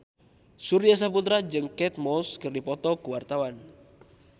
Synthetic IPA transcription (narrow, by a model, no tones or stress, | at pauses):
suɾias̬aput̪ɾad͡ʒɨŋkɛt̪̚mɔskərdipɔt̪ɔkuwart̪awan